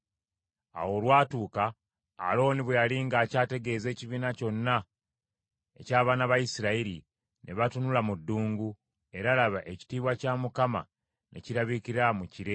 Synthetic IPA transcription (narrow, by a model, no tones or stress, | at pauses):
a̰wo̞ːlwaːtuːka̰ː | lo̞ːniβwejaliŋɡaːcaːte̞ɡe̞ːze̞ːciβiːnaco̞nːa | e̞̰caːβaːnaβajisiɾaiɾi | nʔe̞βatunulamudːuːŋɡu | e̞ɾalaβaʔe̞ci̥tiːβwacaːmukama̰ | nʔe̞̰ciɾaβikiɾamuciɾe̞